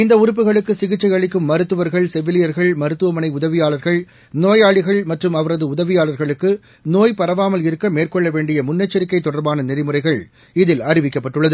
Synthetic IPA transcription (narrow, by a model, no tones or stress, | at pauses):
ɪnd̪ɐʊɾɯp̬ːɯɣɐɭɯkːɯsɪɣɪt͡ʃːɐɪɐɭɪkːɯmːɐɾɯt̪ːɯʋɐɾɣɐɭsɛʋːɪlɪjɐɾɣɐɭmɐɾɯt̪ːɯʋɐmɐnɐɪʊðɐʋɪjaːlɐɾɣɐɭ | noːjaːɭɪɣɐɭmɐʈrɯmɐʋɐɾɐðɯʊðɐʋɪjaːlɐɾɣɐɭɯkːɯ | noːjpɐɾɐʋaːmɐlɪɾɯkːɐmeːrkɔɭːɐʋeːɳɖɪjɐmʊnːɐt͡ʃːɐɾɪkːɐɪt̪ːɔɽɐɾbaːnɐnɪðɪmɯrɐɪɣɐɭ | ɪðɪlɐɾɪʋɪkːɐpːɐʈːɯɭːɐðɯ